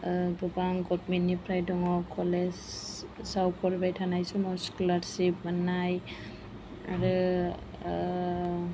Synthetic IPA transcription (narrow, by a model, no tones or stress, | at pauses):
bɯbaŋɡɔt̚minːipʰɾajdɔŋɔkʰɔlessawkʰɔɾbajtʰanajsumɔskulaɾsip̚manaj | a̰ɾɯ